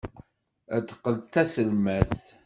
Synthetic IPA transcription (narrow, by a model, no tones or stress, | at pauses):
æt̪ːə̥qːəlt̪æsəlmæθ